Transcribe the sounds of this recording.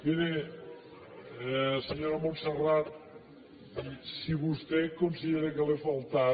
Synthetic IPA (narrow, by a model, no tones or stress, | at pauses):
b̪ine | seɲoɾamonserat̪ | isiβust̪ekunsiðeɾekəlefalˠt̪a